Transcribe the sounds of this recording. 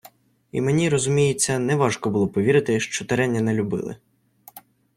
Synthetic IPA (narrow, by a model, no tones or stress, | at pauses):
ḭmenʲiɾɔzʊmʲijɪt͡sʲːɐnɛʋɑʒkɔbʊlˠɔpɔʋʲiɾɪt̪ɪʃt͡ʃɔt̪ɐɾɛnʲːɐnɛlʲʊbɪ̰lˠɪ̰